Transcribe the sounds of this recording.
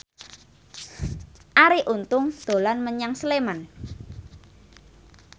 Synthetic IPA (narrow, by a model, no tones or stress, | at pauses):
ʔaɾiʔunt̪ʊŋd̪̥o̤lanməɲaŋsəleman